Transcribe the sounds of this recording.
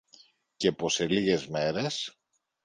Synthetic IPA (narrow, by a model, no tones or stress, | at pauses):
cepo̞seliɣezmeɾes